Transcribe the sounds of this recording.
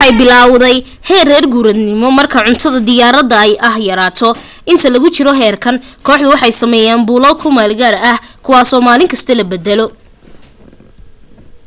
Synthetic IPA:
ħɑjbɪlaːwðɛj | hɛːrɛːrɡuːɾɐd̪nɪmɔmɐrkʰɐʕʊnt̪ʰɐðɐd̪ɪjaːɾɐðɐɛjʔɐhjɐɾaːt̪ʰɔ | ɪnt̪ʰɐlɐɣʊt͡ʃɪɾɔɦɛːrkʰɐnkʰɔːħðʊwɑħɑjsɐmɛːjaːnbʊːlɐlkʰʊmaːlɡaːrɐhkʰʊwaːsɔːmaːlɪŋkʰɐst̪ʰɐlɐbɛd̪ɛlɔ

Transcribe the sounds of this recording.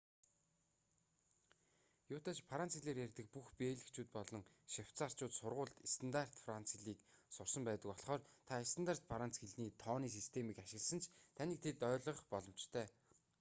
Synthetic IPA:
jʊːt̪aːt͡ɕpʰaɾant͡sxiɮeːrjærʲt̪ɘ̆k̚puxpeːɮɘ̆kt͡ɕʰuːt̪̚pɔɮɞ̆ŋʃiw̥t͡sar̥t͡ɕʊːt̪sʊrʁʊːɮt̪est̪ʰə̆nt̪ar̥t̪fran̥t͡siɮiːksʊrsə̆mpæːt̪ə̆kɔɮ̆χɔːrt̪ʰaest̪ə̆nt̪ar̥t͡ɕfʰaɾan̥t͡sxeɮniːt̪ʰɔːniːs̬ist̪ʰemiːkaʃɪ̆ɣə̆ɮsə̆nt͡ɕʰt̪ʰaniːk̚t̪ʰet̪œːɮʁə̆χpɔɮɞ̆mt͡ɕt̪ʰœː

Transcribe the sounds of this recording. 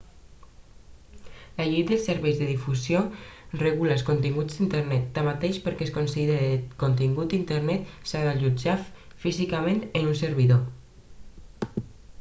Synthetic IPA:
laʎej̪d̪əlˠsəɾβɛjzðeðifuzjoreɣuləlˠskont̪iŋɡud͡zd̪int̪əɾnɛt̪ːamat̪eʃpəɾkeskonsiðeɾekont̪̬iŋɡut̪int̪əɾnɛt̪saðaʎud͡ʒafizikamẽnt̪enunsəɾβiðo

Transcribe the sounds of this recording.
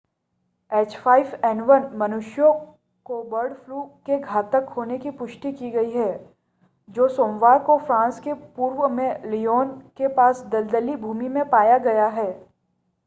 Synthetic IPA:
ɛːt͡ʃfʰaːɪfɛːɳʋɐnmɐnʊʃjõ | kobɐɾɖfʰluːkeɡʱaːt̪əkɦoːnekipʊʃʈ̪ikiɡɐiɦɛː | d͡ʒoːsõːmʋaːɾkofɾãːnskepuːɾʋəmẽlioːnkepaːsd̪ɐld̪əlibʱuːmimẽpaːjaɡɐjaɦɛː

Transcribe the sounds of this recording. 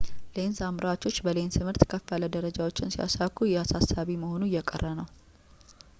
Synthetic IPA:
le̞nsamɾat͡ʃo̞t͡ʃːbəlent̪ʰɨmhɨɾt̪kʰəfaləd̪əɾəd͡ʒawot͡ʃːɪnsia̰sakʰujɛasasːaβiməho̞nujɛkʼə̰rːənəw

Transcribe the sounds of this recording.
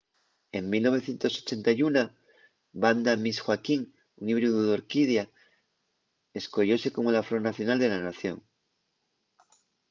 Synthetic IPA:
e̞mmilno̞β̞e̞θje̞nt̪o̞so̞̥t͡ʃe̞nt̪ajuna | band̪amisxwakiŋ | uniβɾuðuðoɾkið̞ja | e̞sko̞ʎo̞se̞ko̞molafɾo̞naθjo̞nald̪e̞lanaθjo̞̰ŋ

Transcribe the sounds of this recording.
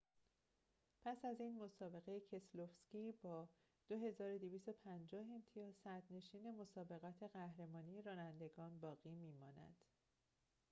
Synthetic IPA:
pʰæsæziːnmo̞sɒːbe̞ɣe̞jecʰe̞slofscibɒː | d̪̥oɦe̞zɒːɾo̞d̪iviːst̪o̞pʰænd͡ʒɒːɦe̞mt̪ʰijɒːz̥sæɾd̪ne̞ʃiːne̞mo̞sɒːbe̞ɣɒːt̪ʰe̞ɣæhɾe̞mɒːnije̞ɾɒːnænd̪e̞ɡɒːnbɒːɣiːmiːmɒːnæ̰d̪̥

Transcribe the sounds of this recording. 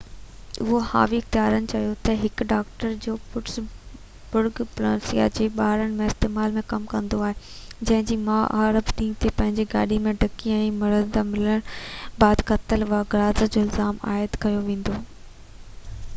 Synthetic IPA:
ʊɦoha̰ːʋik̚t̪jaːɾənɪ̆t͡ɕɐjot̪ɐɦɪkɖaːkʈəɾd͡ʑoːpʊʈs | bʊɾɡplaːsija̰d͡ʑeːɓaːɾəɽ̃mẽɪst̪eːmaːlmẽkɐmkɐ̃nd̪oaːɦe | d͡ʑɐ̃ɦɪ̃ɲd͡ʑiːmãːʔa̰ːɾəbɗĩːt̪ʰepɐ̃ɦɪ̃ɲd͡ʑiɡaːɗimẽɖʱɐkiɛ̃ːmɐɾənd̪amɪləɽ̃baːd̪kʰɐt̪əlʋaːɡɐɾaːzəd͡ʑoɪlzaːma̰ːɪd̪kɐjoʋẽːn̆d̪oː

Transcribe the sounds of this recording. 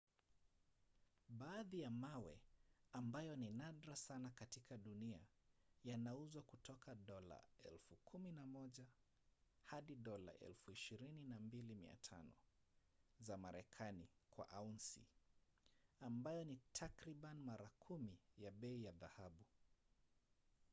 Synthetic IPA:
ɓaːðijamawɛ̰ambajɔninaɗɾasanakatikaɗunia̰ | janauzwakutʰɔkʰaɗɔla̰ɛ̰lfukʰuminamɔʄa | haɗiɗɔla̰ʔɛ̰lfuiʃiɾininambilimḭa̰tʰa̰nɔ̰ | zamaɾɛkʰanikwa̰ʔaunsḭ | ambajɔnitʰakɾiɓanmaɾakʰumijaɓɛijaðahaɓu

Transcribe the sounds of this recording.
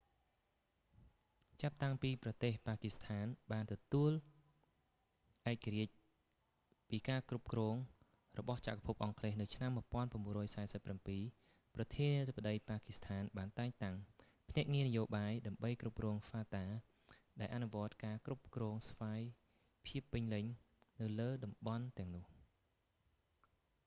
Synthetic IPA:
t͡ɕap̚t̪aŋpiːprɑt̪eːhpaːkist̪ʰaːnɓaːnt̪ɔt̪uəl | ʔaɛk̚ːaɾiəc̚ | piːkaːkrup̚krɔːŋ | rɔɓɑht͡ɕa̰ʔkapʰup̚ʔɑŋkʰleːhnɨwt͡ɕʰnamːuəpŏənpăəmːbuərɔːjsaɛsəpːrampiː | prɑt̪ʰiəniət̪ʰəp̚ːə̆ɗəjpaːkist̪ʰaːnɓaːnt̪aɛŋt̪aŋ | pʰnɛ̆əʔŋiənəjoːɓaːjɗaəmɓəjkrup̚krɔːŋfaːt̪aː | ɗaɛlʔanuʋŏət̪̚kaːkrup̚krɔːŋsʋaːj | pʰiəpːɨɲlɨɲ | nɨwləːɗɑmɓɑnt̪ɛ̆əŋnʊ̆əh

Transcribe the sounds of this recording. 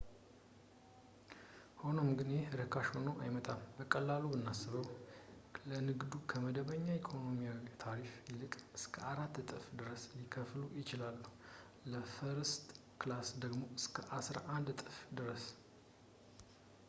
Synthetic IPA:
ho̞no̞mɡɨnjeɾɨkʰaʃho̞noʔajmət̪ʼambəkʼəlːalubɨnːasːɨβəw | lənɨɡd̪ukʰəməd̪əβəɲːaikʰo̞no̞mijawt̪ʰaɾifjɪlɨkʼɨskʰəaɾat̪ːt̪ʼɨfd̪ɨɾəslikʰəflujɪt͡ʃɪlalːuhu | ləfəɾɨst̪ʼ | klasd̪əɡmo̞ɨskʰəʔasɾaʔand̪t̪ʼɨfd̪ɨɾəs

